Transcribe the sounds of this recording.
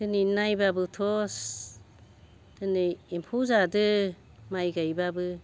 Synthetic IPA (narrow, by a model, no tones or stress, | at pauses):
d̥ɯninajbabɯtʰɔs | d̥ɯnɯimpʰuzadɯ | majɡajbabɯ